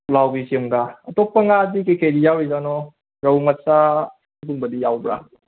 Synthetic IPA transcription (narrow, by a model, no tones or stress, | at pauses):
lawbisemɡaɐtɔpːəŋadikejkʰajdijawɾizanɔ | ɾawmasa | kuŋbədijawbɾa̰